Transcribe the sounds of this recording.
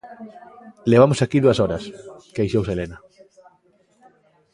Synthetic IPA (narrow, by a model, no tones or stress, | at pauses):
leβamʊsakiðuɐsɔɾɐskejʃowselenɐ